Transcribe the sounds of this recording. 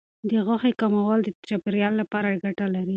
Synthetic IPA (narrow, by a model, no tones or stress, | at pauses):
d̪əɣʊxekamawald̪ət͡ʃapɪɾjɑlːapɑɾaɡaʈalaɾi